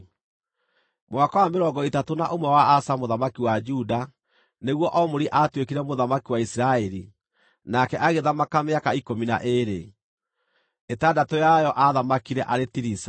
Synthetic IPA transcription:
mwakawameɾɔŋɡɔitatonaʔomwɛwaasamoðamakiwad͡ʒuda | neɣwɔʔɔmoɾiʔatwekiɾɛmoðamakiwaisiɾaɛɾi | nakɛʔaɣeðamakameakaikomina̰ʔeɾe | etadatojajɔʔaðamakiɾɛʔaɾetiɾisa

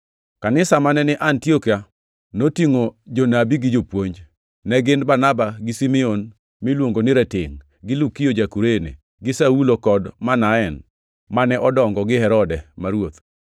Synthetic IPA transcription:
kanɪsamanɛnɪʔantiokia | notiŋod͡ʒonabiɡɪd͡ʒopwoɲd͡ʒ | nɛɡɪnbanabaɡɪsimɛon | mɪlwoŋɡonɪɾɛtɪŋ | ɡɪlukijod͡ʒakuɾenḛ | ɡɪsaulokɔdmanaɛn | manɛʔɔdɔŋɡɔɡɪhɛɾɔdɛmaɾwot̪

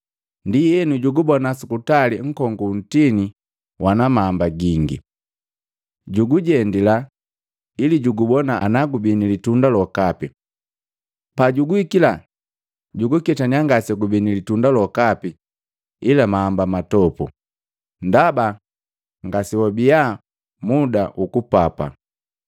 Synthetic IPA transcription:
ndijɛnuɟuɡubɔnasukutaliŋ̩kɔŋɡun̩tini | wʔanamaːmbaɡiŋɡḭ | ɟuɡuɟɛndila | iliɟuɡubɔnaanaɡubinilitundalɔkapi | paɟuɡuikila | ɟuɡukɛtaɲiaŋɡasɛɡubinilitundalɔkapi | ilamaːmbamatɔpu | ndaba | ŋɡasiwɔbia | mudaʔukupapa̰

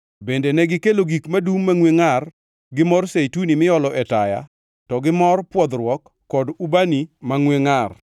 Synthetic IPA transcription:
bendenɛɡɪkeloɡikmadumːaŋweŋar | ɡɪmɔrsejtunimɪɔlɔʔɛtaja̰ | tɔɡɪmɔrpwɔd̪ɾwɔkːɔdubanimaŋweŋar

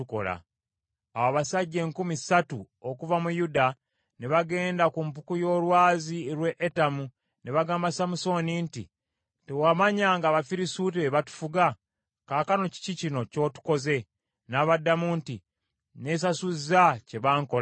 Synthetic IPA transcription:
uko̞̰la̰ | awaβasaɟːe̞ːŋkumisatu | okuvamujuda | neβaɡe̞ːndakumpukujo̞ːlwaːzieɾwe̞ʔetamu | neβaɡaːmbasamuso̞nintḭ | tewamaɲaːŋɡaːβafiɾisut̬iβeβatu̥fuɡa | kaːkano̞ci̥cicino̞co̞ːtu̥ko̞ze̞ | naːβadːamunti | ne̞ːs̬asuzace̞βaːŋkol

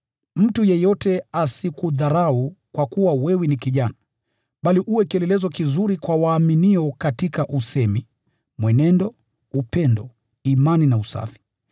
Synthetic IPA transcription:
m̩tujɛjɔtɛasikuðaɾaukwakuwawɛwɛnikiʄana | ɓaliʔuwɛkɛlɛlɛzɔkizuɾikwawaːminiɔkatikaʔusɛmi | mwɛnɛndɔ | upɛndɔ | imaninausa̰fi̥

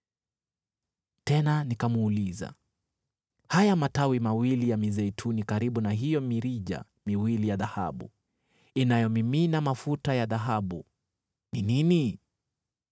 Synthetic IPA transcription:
tɛnanikamːliza̰ | hajamatawimawilijamizɛjtʰunikaɾiɓunaɦijɔmiɾiʄa̰ | miwilijaðaha̰ɓu | inajɔmiminamafutajaðaɦaɓṵ | ninini

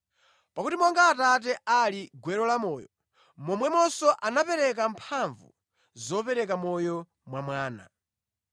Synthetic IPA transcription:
pakutimɔŋɡaːtat̬ɛʔaliɡwɛɾɔlamɔːjɔ | mɔmwɛmɔsɔʔanapɛɾɛk̬ampʰaɱvṵ | zɔpɛɾɛk̬amɔjɔ | mwamwaːna̰

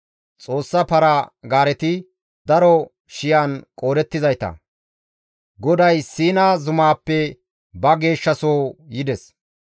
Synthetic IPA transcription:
t͡sʼo̞ːsːɐpɐɾɐɡaːɾɛt̪ɪ | d̪ɐɾɔ | ʃɪjaːnkʼo̞ːɾɛt̪ːɪzɐjt̪ɐ̰ | ɡɔd̪ɐjsiːnaːzʊmaːpːɛ | bɐɡe̞ːʃːɐsoːjɪd̪ɛs

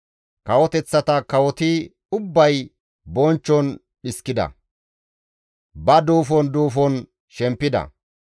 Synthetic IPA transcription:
kɐwɔt̪ɛt͡sːɐt̪ɐkɐwɔt̪i | ʊbːɐj | bɔnt͡ʃːɔn | ɗɪskːɪd̪ɐ̰ | bɐd̪uːfɔnd̪uːfɔn | ʃɛmpːɪd̪ɐ̰

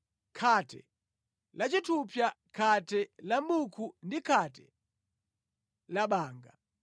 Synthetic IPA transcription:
kʰatʰɛ̰ | lat͡ʃitʰupjakʰatɛlamukʰundikʰatɛ | laɓaːŋɡa

